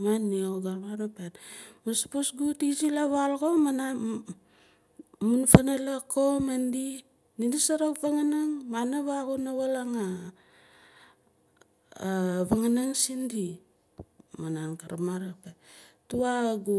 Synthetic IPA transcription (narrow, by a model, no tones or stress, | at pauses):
manːioɡaɾmaɾapenmaspusɡutid͡ʒilaβalɡomana | munfanalakomendi | ninisaɾakvaŋanaŋmanaβaɣunaβalaŋa | βaŋanaŋsindi | manankaɾamaɾapetuaɡu